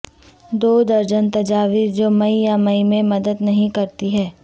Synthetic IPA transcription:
d̪oːd̪ɐɾd͡ʒənt̪ɐd͡ʒaːʋiːɾd͡ʒoːmɐijamɐimẽmɐd̪əd̪nɐɦĩkɐɾt̪iɦɛː

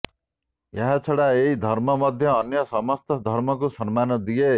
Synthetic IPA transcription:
jaɦat͡sʰɔɽaeɦid̪ʱʌɾmɔmʌd̪ʱjʌːnjʌsʌmʌst̪ʰɔd̪ʱʌɾmɔkusʌnmanɔd̪ije

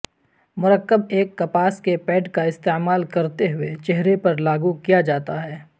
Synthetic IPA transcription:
mʊɾəkːəbeːkːɐpaːskepɛːɖkaɪst̪eːmaːlkɐɾt̪eɦʊet͡ʃɛɦɾepɐɾlaːɡukijad͡ʒaːt̪aɦɛː

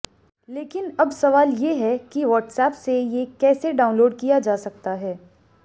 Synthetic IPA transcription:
leːkɪnɐbsɐʋaːljeɦɛkiʋɔːʈsɛːpsejekɛːseɖaːʊ̃nloːɖkijad͡ʒaːsɐk̚t̪aɦɛː

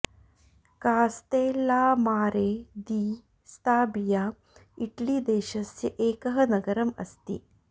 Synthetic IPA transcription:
kaːst̪eːlaːmaːɾeːd̪iː | st̪aːbijaː | iʈɭid̪eːʃɐsjɐʔeːkɐɦɐnɐɡɐɾɐmɐ̰st̪ḭ

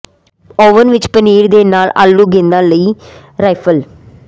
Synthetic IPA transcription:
ɔːʋənʋɪt͡ʃpəniːɾd̪eːnaːla̰ːlːuːɡẽːnd̪ãːləiː | ɾaːjpʰəl

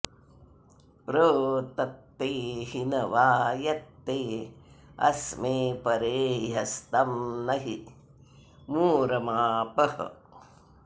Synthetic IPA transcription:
pɾoːt̪ɐt̪ːeːhinɐʋaːjɐt̪ːeː | ɐ̰smeːpɐɾeːɦɐst̪ɐmnɐɦi | muːɾɐmaːpɐhɐ̰

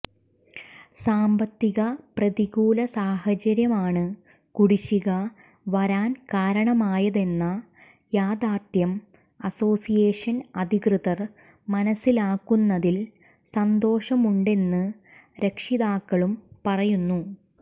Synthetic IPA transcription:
saːmbɐt̪ːiɣɐprɐðiɣuːlɐsaːhɐt͡ɕɐɾjɐmaːɳɨ | kuɽiɕiɣɐ | ʋɐɾaːnkaːɾɐɳɐmaːjɐðe̞nːɐ | jaːd̪aːt̪jɐm | ɐso̞ːsijeːʂɐnɐd̪ʱikrɨðɐr | mɐnɐsːilaːkːunːɐðil | sɐnd̪o̞ːʂɐmuɳɖe̞nːɨ | ɾekʂiðaːkːɐɭumpɐrɐjunːu

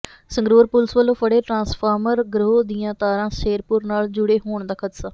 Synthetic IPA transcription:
sə̃ŋɡɾoːɾpʊlsʋəlːõːpʰəɽeːʈɾãːspʰaːɾməɾɡɾoːd̪iːãːt̪aːɾãːseːɾpʊɾnaːld͡ʒʊɽeːɦoːɳd̪aːkʰət̪saː

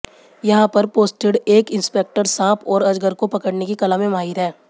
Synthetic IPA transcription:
jɐɦãpɐɾpoːsʈeɽeːkɪ̃nspeːk̚ʈəɾsãːpʰɔːɾɐd͡ʒɡəɾkopɐkəɽnekikɐlamẽmaːɦid̪ɦɛː

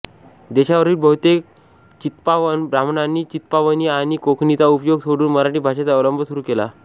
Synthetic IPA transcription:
d̪eɕaʋəɾiːlbəɦut̪ek | t͡ɕit̪paʋənbɾamɳanːiːt͡ɕit̪paʋəniːaɽ̃ikokʰnit͡saupjoɡsoɽuːnməɾaʈiːbʱaɕet͡saoləmbʱəsuɾuːkela̰

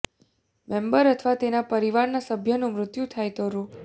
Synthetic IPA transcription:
mẽmbəɾət̪ʰʋat̪enapəɾiʋaɾnasəbʱjənũmɾʊt̪jut̪ʰajt̪oɾũ

